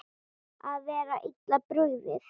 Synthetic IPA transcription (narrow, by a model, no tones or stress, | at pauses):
aðvɛːɾaʔit̪lapɾʏvɪθ